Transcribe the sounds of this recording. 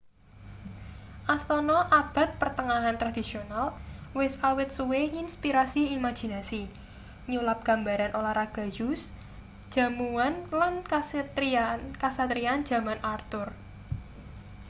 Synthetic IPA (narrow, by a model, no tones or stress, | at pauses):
ʔast̪ɔnɔʔab̥a̤t̪̚pərt̪əŋaɦant̪ɾad̪̥isionalwɪsawɪt̪̚suweinspiɾasiimḁʒ̥i̤nasi | ɲulap̚ɡ̥a̤mbaɾanʔolaɾaɡ̥a̤jus | d̥ʒ̥a̤muanlankat̪ikasat̪ɾiand̥ʒ̥ä̤manʔart̪ʊr